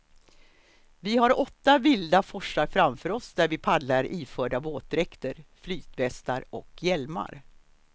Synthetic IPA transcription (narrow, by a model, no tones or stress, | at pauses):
vɪhaɾɔt̪ːavɪld̪afɔʂaɾfɾamfœːɾɔsd̪æɾvɪpʰad̪laɾʔiːfœːɖaboːt̪ɾɛkt̪əɾflyːt̪vɛst̪aɾɔ̰kʰjɛlma̰ɾ